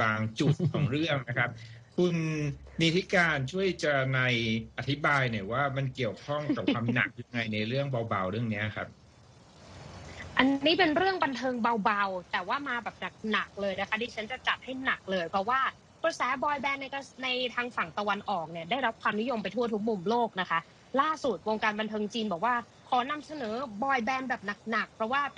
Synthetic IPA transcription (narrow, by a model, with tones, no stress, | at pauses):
baː˧ŋt͡ɕu˨˩t̪̚kʰɔː˩˦ŋɾɯ˥˩əŋna˦˥kʰa˦˥p̚ | kʰu˧n | miː˦˧t̪ʰi˦˥kaː˧nt͡ɕʰu˥˩əjt͡ɕa˨˩na˧jʔʔa˨t̪ʰːi˦˥baː˧jna˧˩waː˥˩ma˧nki˨˩əwkʰɔ˥˩ŋka˨˩waː˧mna̰˨˩k̚ja˧ŋa˧jna˧jɾɯ˥˩əŋba˧wba˧wɾɯ˥˩əŋni˦˥˩kʰa˦˥p̚ | ʔa˧nːiː˦˥pe˧nɾɯ˥˩əŋba˧nt̪ʰɤː˧ŋba˧wba˧wt̪ɛː˨˩waː˥˩maː˧bɛː˨˩p̚na˨˩k̚na˨˩k̚lɤː˧jna˦kʰa˦˥diː˧t͡ɕʰa˦˥nt͡ɕa˨˩t͡ɕa˨˩t̪̚ha˥˩jna˨˩k̚lɤː˧jpʰɾɔ˦˥waː˥˩ | kɾɤ˧sɛː˩˦bɔː˧jbɛː˧nːa˧kna˧jt̪ʰaː˧ŋfa˨˩ŋt̪a˧wa˧nʔɔː˨˩k̚ni˧˩ɐda˥˩jɾa˦˥p̚kʰwaː˧mni˦˥jo˧mpa˧jt̪ʰu˥˩ɐt̪ʰu˦˥k̚mu˨˩mloː˥˩k̚na˦˥kʰa˦˥ | laː˥˩su˨˩t̪̚woː˧ŋkaː˧nba˧nt̪ʰɤː˧ŋt͡ɕiː˧nbɔː˨˩k̚waː˥˩ | kʰɔː˨˩˦na˧msa˧nɤː˩˦bɔː˧jbɛː˧nbɛː˨˩p̚na˨˩k̚na˨˩k̚pʰɾɔ˦˥waː˥˩